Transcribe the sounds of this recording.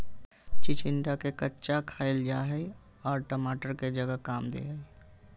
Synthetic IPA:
t͡ʃɪt͡ʃɪɳɖakekətːʃakʰaːɪld͡ʒaːɦi | ɔːɾʈəmaːʈəɾked͡ʒəɡəkaːmd̪ḛːɦəi

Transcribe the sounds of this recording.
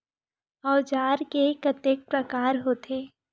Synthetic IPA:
ɔːd͡ʒaːɾkekət̪ək̚pɾəkaːɾɦoːt̪ʰeː

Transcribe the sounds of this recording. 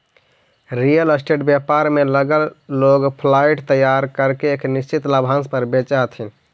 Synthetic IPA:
ɾijələsʈeʈbjapaɾmeləɡəlːoɡpʰlaiʈt̪əjaɾkəɾkeeknist͡ʃit̪labʱãnspəɾbet͡ʃat̪ʰin

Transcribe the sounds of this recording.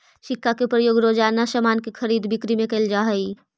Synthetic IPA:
ʃɪkːakepɾəjoːɡɾoːd͡ʒaːnasəmaːnkexʰəɾiːd̪bɪkɾimẽkɐld͡ʒaɦəi

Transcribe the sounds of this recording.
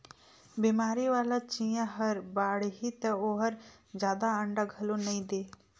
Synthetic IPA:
biːmaːɾiʋaːlat͡ʃĩjãɦəɾbaːɽɦit̪ɐoɦəɾd͡ʒjaːd̪aəɳɖaɡʱəlonɐĩd̪eː

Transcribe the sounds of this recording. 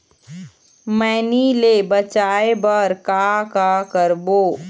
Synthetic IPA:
mɛːnilebət͡ʃaːebəɾkakakəɾboː

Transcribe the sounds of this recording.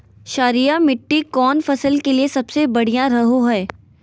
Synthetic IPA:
ʃaːɾijamɪʈːikɔːnfɐsəlkeliesɐbsebɐɽ̤ijãɾɐɦoɦɛː

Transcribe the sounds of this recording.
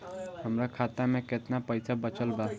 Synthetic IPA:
ɦəmɾakʰat̪ameket̪napəjsʰabət͡ʃəlba

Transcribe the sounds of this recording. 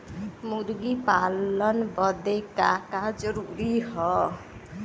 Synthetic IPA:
muɾɡipalʌnbʌd̪ekakad͡ʒʌɾuɾihɔ

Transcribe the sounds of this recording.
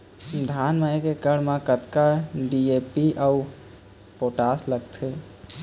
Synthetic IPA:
d̪ʱanmaekekəɽ̤mãkət̪kaɖiepiʔau | poʈasləɡ̚t̪ʰe

